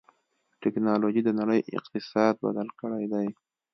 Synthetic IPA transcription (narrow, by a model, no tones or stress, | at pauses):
ʈɪknɑloʒid̪ənaɽəjʔɪ̰qt̪ɪsɑd̪̚ba̰d̪alkəɽajd̪aj